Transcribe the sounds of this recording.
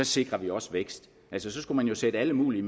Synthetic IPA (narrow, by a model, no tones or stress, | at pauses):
ɒ̽se̝ɡ̥ʁɐʋiɒ̽sʋeɡ̥sd̥ | ʔælsəsɒ̽sɡ̥umænjo̝sed̥əæləmṵːlim